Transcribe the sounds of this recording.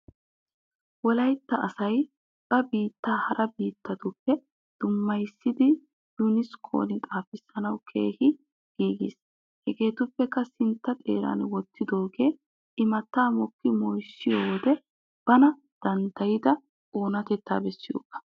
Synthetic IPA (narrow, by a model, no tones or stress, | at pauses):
wɔlɐjt̪ːɐʔɐsɐj | b̥ɐbiːt̪ːaːhɐɾʔɐbiːt̪ːɐt̪ʊpːɛ | d̪̥ʊmːɐjsːɪd̪ɪ | d̪̥ʊnɪskʰo̰ːnɪt̪ʼaːfɪsːɐnɐwkʰḛːhɪ | ɡ̥iːɡɪ̰s | hɛɡe̞ːt̪ʊpːɛkːɐsɪnt̪ːɐt̪ʼe̞ːɾa̰ːnwɔt̪ʰːɪd̪o̞ːɡe̞ː | ɪmɐt̪ːaːmɔkːɪmɔjsːɪjoːwɔd̪ɛ | b̥ɐnɐ | d̪̥ɐnd̪ɐjɪd̪ɐ | oːnɐt̪ɛt̪ːa̰ːbɛsːɪjo̰ːɡɐ̥